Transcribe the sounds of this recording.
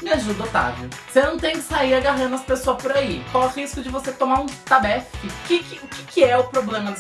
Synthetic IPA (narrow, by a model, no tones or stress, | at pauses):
mɪaʒud̪ot̪a̰vʊsenɐ̃w̃t̪ẽj̃kɪ̥saiɾaɡaɦɐ̃nd̪ʊɐsɐ̥pesoɐspoɾaikwawɛʁiskʊd͡ʒɪvoset̪omaɾũt̪abɛfkɪkɪkɪʊkʲɪ̥kɪɛʊpɾoblẽmɐ